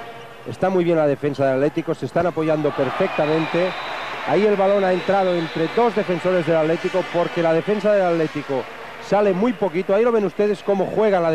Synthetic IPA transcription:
est̪amujβjenlað̞e̞fe̞nsaðelat̪let̪iko̞se̞st̪anapo̞ʝand̪o̞peɾfek̚t̪amẽnt̪e̞aie̞lβalo̞nae̞nt̪ɾað̞o̞ent̪ɾe̞ðo̞zðe̞fenso̞ɾe̞zðelat̪let̪ikopo̞ɾke̞lað̞e̞fe̞ns̬aðelat̪let̪iko | sale̞mujpo̞kit̪oailo̞βenust̪eð̞e̞skomo̞xwe̞ɣ̞anlað

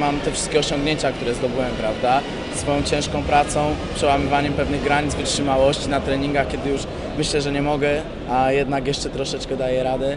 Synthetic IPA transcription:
mamt̪ɛfʂɘst̪kʲɛɔɕɔ̃ŋɡɲeɲt͡ɕakt̪uɾɛzd̪ɔbɘwɛmpɾavd̪a | sfɔjɔ̃w̃t͡ɕɛ̃w̃ʂkɔ̃w̃pɾat̪sɔ̃w̃pʂɛwamɘvaɲɛmpɛvnɘɣɡɾaɲid̪vɘtʂɘmawɔɕt͡ɕinat̪ɾɛɲiŋɡaxkʲɛd̪ɘjuʂ | mɘɕlɛʐɛɲɛmɔɡɛ | ajɛd̪nakjɛʂt͡ʂɛt̪ɾɔʂɛt͡ʂkɛd̪ajɛɾad̪ɛ

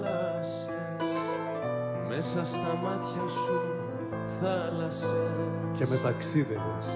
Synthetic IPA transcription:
lɐ | s | e | s | me̞sɐst̪ɐmɐt̪çɐsu | θɐlɐse | cemet̪ɐksiðenes

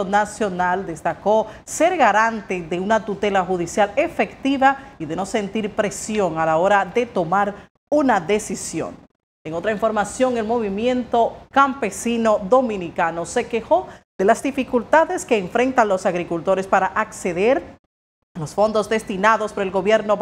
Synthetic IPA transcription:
onasjo̞nald̪e̞st̪ako̞se̞ɾɣaɾant̪eðe̞unat̪ut̪e̞laxuðisjale̞fe̞kt̪iβaiðe̞no̞se̞nt̪iɾpɾe̞sjo̞ŋalao̞ɾaðe̞t̪o̞maɾ | unaðe̞sisjo̞̰ŋ | eŋo̞t̪ɾaiɱfoɾmasjo̞ŋe̞lmo̞βimje̞nt̪o̞kampe̞sinoðo̞mĩnikano̞se̞ke̞xo̞ð̥e̞lazd̪ifikult̪aðe̞ske̞ːɱfɾe̞nt̪anlo̞saɣɾikult̪o̞ɾespaɾaʔakse̞ðe̞ɾ | lo̞sfo̞nd̪o̞zd̪e̞st̪inaðo̞spoɾoelɡo̞βje̞ɾno̞

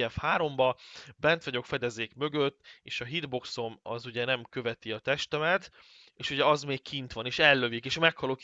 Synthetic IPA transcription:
ɛfhaːɾo̞mbɒbɛnt̪ʋɒɟo̞kfɛd̪ɛzeːkmø̞ɡøt̪ːeːʃɒɦid̪bo̞kso̞mɒ̰zuɟɛnɛmkø̞vɛt̪iɒt̪ɛʃt̪ɛmɛt̪ | eːʃuɟɛɒzmeːkkʰint̪ʋɒneːʃɛlːø̞vikeːʃmɛkhɒlok

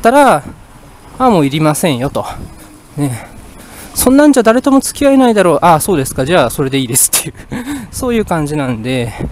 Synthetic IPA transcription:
t̪ːaɾa | amo̞ːiɾʲimasẽ̞ɰ̃jo̞t̪o̞ | ne̞ | sõ̞nːãɲ̟d͡ʑaːd̪aɾe̞t̪omo̞t͡sɨ̥kʲiaenaid̪aɾo̞ːʔaso̞ːd̪e̞sɨ̥kad͡ʑaːso̞ɾe̞d̪e̞iːd̪e̞sɨ̥t̪ːe̞jɯ̟so̞ːjɯ̟ːkãɲ̟d͡ʑinãnd̪e̞

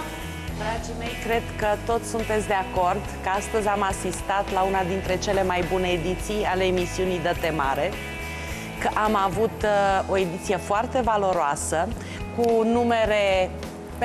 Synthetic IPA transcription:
d̪ɾad͡ʒime̞jkɾe̞d̪kət̪o̞t̪sʲsunt̪e̞t̪sʲd̪e̞ako̞rd̪kəast̪əzʲamasist̪at̪launad̪int̪ɾe̞t͡ʃe̞le̞majbune̞ːd̪it̪sijale̞ːmisiunijd̪ət̪e̞ma̰ɾe̞ | kəʔamavut̪o̞e̞d̪it̪sije̞foart̪e̞valo̞ɾoasə | kunume̞ɾe̞

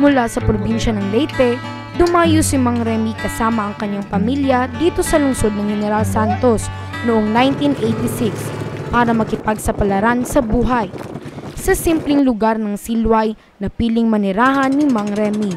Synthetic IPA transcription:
mʊlasɐpɾobinʃɐnɐŋlɛjt̪ɛ | d̪ʊmaːjʊsɪmaŋɾɛmikɐsaːmɐʔɐŋkɐɲːaŋpɐmiljɐd̪iːt̪o̞sɐlʊŋso̞d̪̚nɐŋhɛnɛɾalsant̪o̞s | noʔoŋnajnt̪inʔejt̪isɪkspaːɾɐmɐkɪpaɡ̚sɐpɐlɐɾansɐbuːɦɐjsɐsimplɪŋlʊɡaɾnɐŋsilwɐj | nɐpiːlɪŋmɐnɛɾaːɦɐnːɪmaŋɾɛmi

